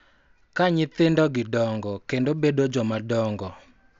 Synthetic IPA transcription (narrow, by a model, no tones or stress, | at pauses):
kaɲɪt̪ɪndɔɡɪdɔŋɡɔkendobedod͡ʒɔmadɔŋɡɔ